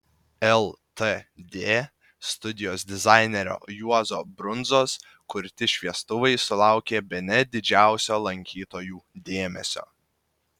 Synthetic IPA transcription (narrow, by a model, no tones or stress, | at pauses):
ɛlˠt̪əd̪ʲeː | st̪ʊd̪ʲɪjoːsd̪ʲɪzɑˑɪnʲɛɾʲo̰ːjuɔzoːbɾʊnˑzoːs | kʊɾʲt̪ʲɪʃʲʋʲiɛst̪ʊʋɐɪsʊlˠɑˑʊkʲeːbʲɛnʲɛd̪ʲɪd͡ʒʲæˑʊsʲoːlˠɐŋʲkʲiːt̪oːjuːd̪ʲeːmʲɛ̰sʲo̰ː